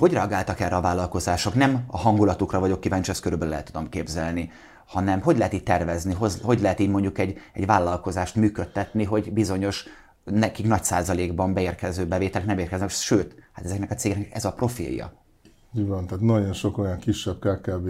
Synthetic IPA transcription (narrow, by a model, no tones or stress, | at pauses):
ho̞ɟrɛɒɡaːlt̪ɒkɛrːɛɒvaːlːɒlkozaːʃo̞knɛmɒɦɒŋɡulɒt̪ukrɒvɒɟo̞kːiːvaːnt͡ʃɛst̪køɾybølølɛ̰ːt̪ːud̪o̞mkeːbzɛlni | hɒnɛmɦo̞ɟlɛɦɛt̪iːt̚ʲt̪ːɛrvɛzniɦozɦo̞ɟlɛɦɛt̪iːɟmo̞ɲɟukɛɟɛ̰ɟvaːlːɒlko̞zaːʃt̪myːkøt̪ːɛt̪niɦo̞ɟbizo̞ɲo̞ʃ | nɛkiknɒcsaːzɒleːɡbɒmbɛeːrkɛzøːbɛveːt̪ɛlɛknɛmeːrkɛznɛkʃøːt̪hat̪ɛzɛknɛkɒt̪seːɡɛknɛkɛzɒpro̞fḭːljɒ̰ | ivɒnt̪aːt̪nɒɟo̞nʃo̞ko̞jɒŋkiʃːɛb̥̚kaːkaːbeː